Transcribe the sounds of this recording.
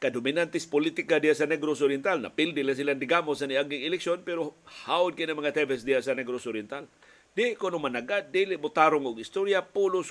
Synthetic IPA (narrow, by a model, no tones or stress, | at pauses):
kadominant̪ɪspolit̪ikadijasanɛɡɾosoɾjɛnt̪alna̰pildilasiland̪ɪɡamosaniaɡɪŋɪlɛksjonpɛɾohaʊd̪̚kinamaŋat̪ɛbɛsdijasanɛɡɾosoɾjɛnt̪al | d̥iʔkonomanaɡad̪ilɪʔmʊt̪aɾʊŋʊɡɪst̪oɾjapulʊs